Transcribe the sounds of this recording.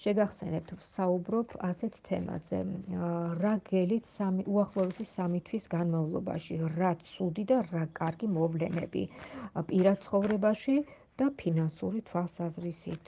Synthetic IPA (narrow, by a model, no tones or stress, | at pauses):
ʃɛɡaχsɛnɛp̚t̪ʰvsaubɾɔpʰasɛt̪ʰt̪ʰɛ̰ma̰zɛ̰ | ɾaɡɛlit̪ʰsamiʔuaχlˠɔɛsisamit̪ʰwisɡanmavlˠɔba̰ʃiɾat̪sʰud̪id̪aɾakʼaɾɡimɔvlɛ̰nɛ̰bḭpʼiɾad̪̥̚t̪sʰχɔvɾɛbaʃi | d̪̥apʰinansuɾit̪ʰwalˠsazɾisḭt̪ʰ